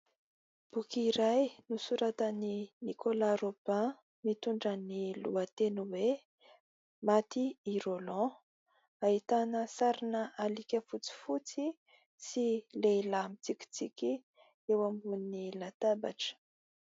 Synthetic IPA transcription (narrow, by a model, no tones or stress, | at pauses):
b̥ukiɾajnusuɾat̪əninikʰolaɾopã | mit̪uɳɖ͡ʐənilṵat̪enuwe | mat̪iiɾolɔ̃ | ait̪anəsaɾinəʔalikʲəfut͡si̥fut͡si | sileilamit͡siki̥t͡sikʲi | ewambunnilat̪aba̰ʈ͡ʂə̥